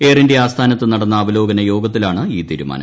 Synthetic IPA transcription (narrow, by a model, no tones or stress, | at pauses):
eːrindeaːst̪ʰaːnɐt̪ːɨnɐɽɐnːɐːbɐlo̞ːɡɐnɐjo̞ːɡɐt̪̬ːilaːɳɨiːt̪iːɾuma̰ːnɐ̰